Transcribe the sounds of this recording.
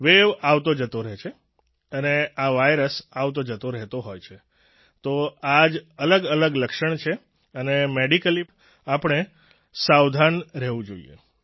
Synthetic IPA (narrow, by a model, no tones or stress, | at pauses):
ʋeʋaʋt̪od͡ʒət̪oɾɛɦt͡ʃʰe | əneaʋajɾəsaʋt̪od͡ʒət̪oɾɛɦt̪oɦojt͡ʃʰe | t̪oad͡ʒələɡələɡləkʃəɳt͡ʃʰe | ənemeɖikəli | apəɳ̃e | saʋd̪ʱanɾɛɦʋũd͡ʒo̰ḭḛ